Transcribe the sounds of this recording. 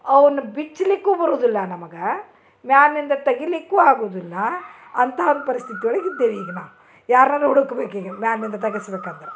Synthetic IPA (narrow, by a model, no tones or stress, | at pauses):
ɐʋɐnubit͡ʃːlikːuːbɐɾoːd̪ilːɐnɐmɐɡɐ | mjaːnːind̪ɐt̪ɐɡilikːuːaːɡuʋd̪ilːɐ | ɐnt̪ʰaːʋɐnd̪ɐpɐɾist̪ʰit̪iʋɐɭɐɡid̪ːeːʋiːɡɐnaː | jaːɾnalɦuɽukːɐbeːkiːɡɐmjaːnːind̪ɐt̪ɐɡisɐbeːkaːnd̪ɐɾe